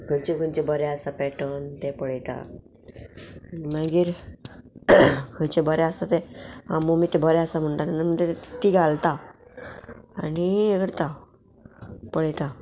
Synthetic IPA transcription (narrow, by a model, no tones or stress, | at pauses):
kʰənt͡ɕekənt͡ɕebəɾɛasapɛʈənt̪ɛpəɽjt̪a̰ | maɡiːɾ | kʰət͡ɕebəɾɛasat̪ea̰mːomiːt̪ebʱəɾɛasam̤əɳʈat̪anam̤əɳd̪et̪iɡʱalt̪a | anieɡəɾt̪a | pəɽjt̪a